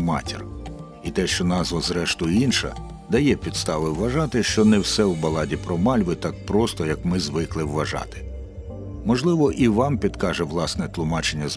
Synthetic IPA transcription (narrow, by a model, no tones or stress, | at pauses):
mɑ̰tʲḭr | it̪ɛʃt͡ʃɔnɑzʋɐzɾɛʃt̪ʊjinʃɐ̰ | d̪ɐjɛpʲid̪st̪ɑʋɪwːɐʒɑt̪ɪʃt͡ʃɔnɛwsɛwbɐlˠɑdʲipɾɔmɑlʲʋɪt̪ɑk̚pɾɔst̪ɔjɐkmɪzʋɪklˠɪwːɐʒɑ̰t̪ɪ̥ | mɔʒlˠɪʋɔʔiʋɑmpʲid̪kɑʒɛʋlˠɑsnɛt̪lˠʊmɑt͡ʃenʲːɐz